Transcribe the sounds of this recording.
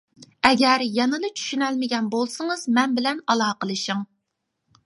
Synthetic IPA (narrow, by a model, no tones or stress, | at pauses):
ɛɡʲɛɾjɛnɨd̪ɨt͡ʃʰy̥ʃynɛlmɪɡʲɛnbolˠsɨŋɨzmɛnbɪlɛnɑlˠɑːqəlˠɨʃiŋ